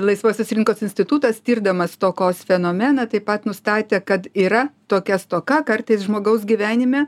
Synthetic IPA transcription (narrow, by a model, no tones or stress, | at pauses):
lˠɐɪsʋoːsʲoːsɾʲɪŋkoːsɪnʲsʲt̪ʲɪt̪uːt̪ɐst̪ʲiːrd̪ɐmɐst̪oːkoːsfʲɛnoːmʲɛnɐt̪ɐɪpɐt̪nʊst̪ɑːt̪ʲeːkɐt̪iːɾɐt̪oːkʲɛst̪oːkɐkɐrt̪ɐɪsʒmoːɡɐʊs̬ɡʲiʋʲæːnʲɪmʲɛ